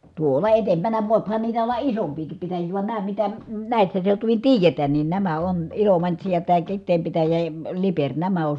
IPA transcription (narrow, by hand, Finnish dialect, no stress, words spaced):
tuoˑlɑ etempænæ ʋoˑiphɑn niːtæ olːɑ isompiːkip pitæjiː ʋɑn næː mitæ næˑisːæ seutuʋin tiːjetæːn nin næmæ on ilomɑntsi jɑ tæː kitˑeːm pitæjæ jɑ ə liperʲ næmæ on